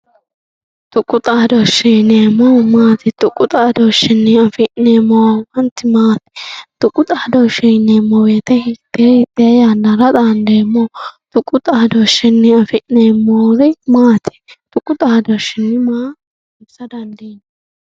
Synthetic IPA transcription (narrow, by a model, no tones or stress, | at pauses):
t̪ʊkʼːʊt̪ʼaːd̪ɔʃɛjneːmːɔmaːt̪ɪt̪ʼʊkʼːʊt̪ʼaːd̪ɔʃɪnːɪɐfɪneːmːɔwwɐnt̪ːɪmaːt̪ɪ̥t̪ʊkʼːʊt̪ʼaːd̪ɔʃɛjneːmːɔweːt̪ɛhɪt̪ːehɪt̪ːɪɐjaːnːɐɾɐt̪ʼand̪eːmːɔt̪ʊkʼːʊt̪ʼaːd̪ɔʃɪnːɪɐfɪneːmːɔːɾɛmaːt̪ʰɪ̥t̪ʼʊkʼʊt̪ʼaːd̪ɔʃɪnːɪmaː | ʊbsɐd̪ɐnd̪inː